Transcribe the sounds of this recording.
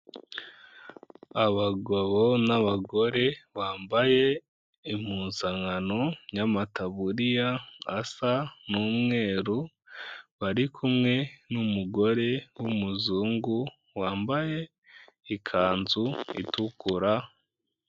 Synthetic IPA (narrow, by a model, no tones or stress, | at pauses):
aβaɡoβonaβaɡo̞ɾe̞βaːmbaje̞ | im̥uːnzaŋanoɲamataβuɾijaːsanuːmŋe̞ːɾu | βaɾikʰumŋe̞numuɡo̞ɾe̞wumuzuːŋɡu | waːmbaje̞ | ikʰaːnzuḭtukuɾa